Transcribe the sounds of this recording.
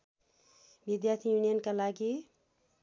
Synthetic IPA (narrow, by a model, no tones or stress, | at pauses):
bid̪jaɾt̪ʰijunijənkalaɡi